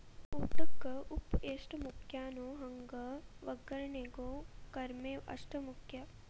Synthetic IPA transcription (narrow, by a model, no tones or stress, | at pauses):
uːt̪ɐkːɐʔupeːʂʈɐmukʰjaːnoːɦɐŋɡɐʋɐɡɐɾɐɳeɡoːkɐɾmeːʔɐ̰ʂʈɐmukʰjɐ